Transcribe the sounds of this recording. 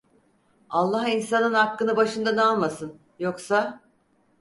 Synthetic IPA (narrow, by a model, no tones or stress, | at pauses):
alˠːaɦinsanɯnhakːɯnɯbaʃɯnd̪anɛalˠmasɯn | joksa